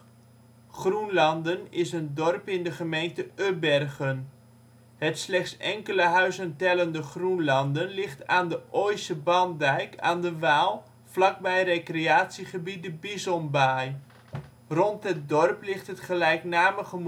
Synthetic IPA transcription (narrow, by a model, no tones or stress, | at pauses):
χrunlɑndənɪsəndɔrpɪndəχəmejntəøbɛrɣən | ɦətslɛχtsɛŋkələɦœɥzəntɛləndəχrunlɑndənlɪχtaːndəʔojsəbɑndɛjkʰa̰ːndəʋaːlˠ | flɑk̚bɛjrekreaːtsiχəbidəbizɔmbaj | rɔntɦət̚dɔrplɪχtɦətχəlɛjknaːməɣəm